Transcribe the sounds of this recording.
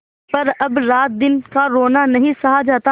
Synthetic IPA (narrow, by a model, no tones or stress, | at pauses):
pɐɾɐbɾaːt̪̚d̪ɪnkaɾoːnanɐɦĩsɐɦad͡ʒaːt̪a